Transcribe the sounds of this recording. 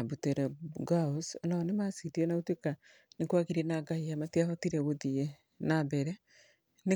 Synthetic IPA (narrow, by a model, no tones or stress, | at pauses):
abuteɾɛɡaosnɔnemasitiɛnautweka | nekwaɣiɾenaɡahiamatiahɔtiɾɛβoðie | nabɛɾɛ | ne